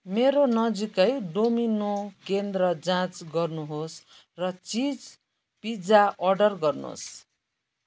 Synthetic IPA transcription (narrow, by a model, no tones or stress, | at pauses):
meɾonʌd͡zikʌjɖominokend̪rʌd͡zãt͡sɡʌrnuɦos | rʌt͡sid͡z | pid͡zaʔʌrɖʌrɡʌrno̰s